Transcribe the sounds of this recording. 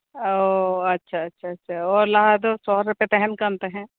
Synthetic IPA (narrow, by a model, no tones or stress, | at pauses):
oɐtːʃʰaɐtːʃʰaɐtːʃʰaɔːɾlɐɦad̪osɔɦɾəpet̪ɛɦɛnkɐnt̪eɦɛ̃ː